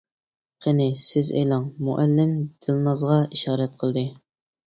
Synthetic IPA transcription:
qʰenɪsɪzḛjlˠɑŋmṵʔælːɪmd̪̥ɪlnɑzʁɑiʃɑːɾɛt̪̚qʰəlˠd̪ɨ

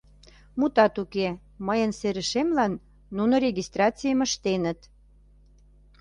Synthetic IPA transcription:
mut̪ɑt̪uke | məjənseɾəʃemlɑnː | unoɾʲeɣʲist̪rɑt͡sijəmə̆ʃt̪enə̆t̪

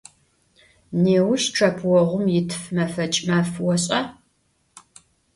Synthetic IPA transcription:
neːwʃʈ͡ʂʰɐpʰwɔʁʷʊmjɪtʰfmɐfɐt͡ʃʼmɐfwɔɕʼɐ

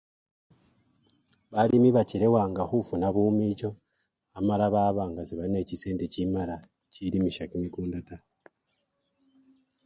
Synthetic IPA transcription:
βalimiβacile̞waːŋɡaxufunaβuːmit͡ʃo̞ | amalaβaβaːŋɡasiβaline̞cise̞ːndecimala | cilimiʃakimikuːndata

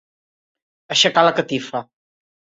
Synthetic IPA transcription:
əʃəkaləkət̪ifɾə

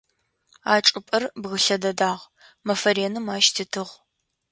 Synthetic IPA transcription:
aːʈ͡ʂʼɨpʼɐrbɣəɬɐdɐdaːʁ | mɐfɐɾeːnɨmaːʃtʰɨtʰɨʁ

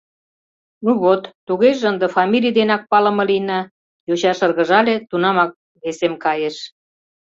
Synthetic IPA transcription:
nuβot̪ːuɣeʒeənd̪ə̆fɑmʲilʲijd̪enɑk̚pɑlə̆mɤ̆linɑ | jot͡ɕɑʃərɣə̆ʒɑlet̪unɑmɑk̚ | βesemkɑjeʃ

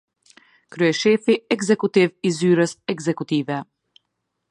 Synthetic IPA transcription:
kɾyɛʃɛfiɛɡzɛkut̪ivizyɾəsɛɡzɛkut̪ivɛ

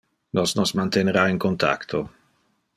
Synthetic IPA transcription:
nosnosmant̪eneɾaiŋkont̪a̰kt̪ʰo

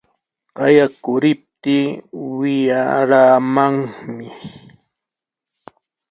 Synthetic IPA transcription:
qɑjakʊɾɪp̚t̪iːwɪjaɾaːmaŋmɪ

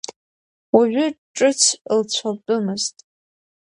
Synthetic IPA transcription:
waɥʏʈ͡ʂʼɨt͡sʷʰlt͡ɕʷʰabʼɨmɨztʼ

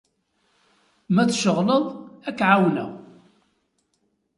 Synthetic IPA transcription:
mæθʃəʁləðˤækːʕawnə̰

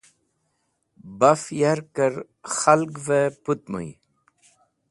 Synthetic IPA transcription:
bafjaɾkəɾ | xalɡveput̪mə̰j

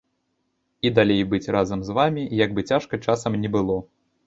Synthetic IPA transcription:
id̪alʲejbɨt͡sʲrazɐmzvamʲijaɡ̚bɨt͡sʲaʂkɐt͡ʂasɐmnʲɛbɨlˠɔ

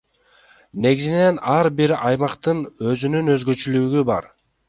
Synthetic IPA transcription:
ne̞ɡizine̞nɑɾbiɾɑjmɑqt̪ɯnø̞zynynø̞zɡø̞t͡ʃylyɡybɑ̰ɾ

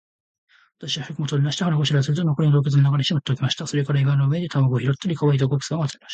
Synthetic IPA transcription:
βat̪aɕiβaçɯkɯ̟mot̪oːɾʲinaɕi̥t̪eahaɾaɡoɕiɾasɨɾɯ̟t̪onokoɾʲid̪o̞ːk̬ʲet͡s̬ɨnonakad̪eɕimot̪ːokʲimaɕi̥t̪aso̞ɾe̞kaɾaiɡanoɯ̟ed̪e̞t̪ʰamoɡɯoçiɾot̪ːoɾʲikaβait̪okokɯ̟̥sɨɡaatt͡saɾʲemḁɕt̪a

